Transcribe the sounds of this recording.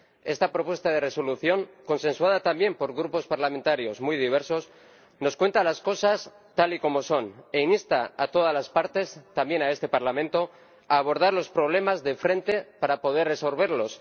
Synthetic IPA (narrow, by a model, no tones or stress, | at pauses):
e̞st̪apɾo̞pwe̞st̪aðe̞re̞so̞luθjo̞ŋko̞nse̞nswaðat̪ambje̞mpo̞ɾɣɾupo̞spaɾlamẽ̞nt̪aɾjo̞zmujðiβ̞e̞ɾso̞s | no̞skwe̞nt̪alasko̞sas | t̪aliko̞mo̞so̞ne̞inist̪aat̪o̞ð̞azlaspaɾt̪e̞st̪ambje̞nae̞st̪e̞paɾlamẽnt̪o̞ | aːβo̞ɾð̞aɾlo̞spɾo̞β̞le̞mazðefɾe̞nt̪e̞paɾapo̞ð̞e̞re̞so̞lβ̞e̞ɾlo̞s